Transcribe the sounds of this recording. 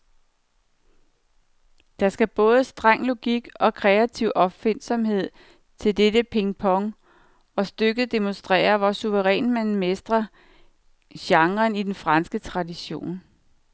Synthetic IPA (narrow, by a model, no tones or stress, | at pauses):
d̥ɑ̈sɡ̥æb̥ɔ̽ːð̞ˠəsd̥ʁɑŋ̰lo̝ɡ̥iɡ̥ɒ̽kʰʁɛæt͡sʰiʊ̰ʔɒ̽b̥fen̰sɒ̽mɦe̝ð̞̰ˠ | t͡sʰe̝ld̥edəpʰe̝ŋpʰɒ̽ŋ | ɒ̽sd̥øɡ̥ð̩ˠd̥e̝monsd̥ʁɛ̰ːɐʋɒsuʋəʁɛ̰ːnmænmesd̥ʁɐ | ɕɑ̈ŋʁɐnid̥enfʁɑ̈nsɡ̥ət͡sʰʁɑ̈diɕo̝̰ːn